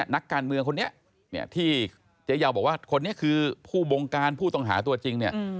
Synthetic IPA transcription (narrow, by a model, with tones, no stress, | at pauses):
ɐ˩na˦˥kːaː˧nmɯ˧əŋkʰo˧nːi˦˥ɐ | nḭ˥˩ɐt̪ʰiː˥˩ | t͡ɕe˦˥jaː˧˩wbɔː˨˩k̚waː˥˩kʰo˧nːi˦˥ɐkʰɯː˧pʰuː˥˩wo˧ŋkaː˧npʰuː˥˩t̪ɔ˥˩ŋɦa̰ː˩˦t̪u˧ɐt͡ɕi˧ŋni˥˩ɐ